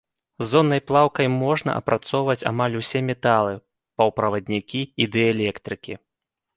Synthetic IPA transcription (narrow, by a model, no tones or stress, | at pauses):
zːɔnːɐjplˠawkɐjmɔʐnɐ̰ʔɐ̰pɾat̪sɔwvɐt͡sʲa̰malʲusʲɛmʲɛt̪alˠɨ | pɐwpɾɐvɐd̪ʲnʲikʲiid̪ɛalʲɛkt̪ɾɨkʲi